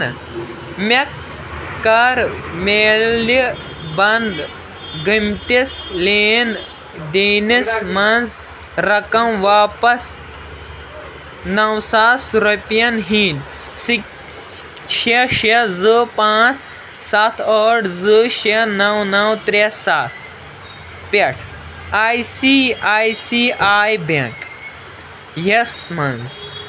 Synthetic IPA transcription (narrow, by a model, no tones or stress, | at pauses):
mekː | ɐɾmeːli | bɐnd̪ | ɡəmt̪isleːn | d̪eːnismɐnz | ɾɐkɐmʋaːpɐs | nɐwsasɾupjɐnɦiːn | sik | ʃeʃezɨpãːt͡s | sat̪ʰəːɽzɨʃenɐwnɐwt̪ɾesaːt̪̚ʰ | peʈʰ | aːjsiaːjsiːaːjbeŋk | jesmɐnz